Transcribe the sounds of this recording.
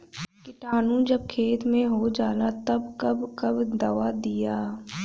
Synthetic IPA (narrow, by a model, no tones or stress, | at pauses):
kɪʈaːnũd͡ʒɐb̚kʰeːt̪mẽɦod͡ʒaːlat̪ɐbkɐbkɐbd̪ɐʋad̪ɪjaː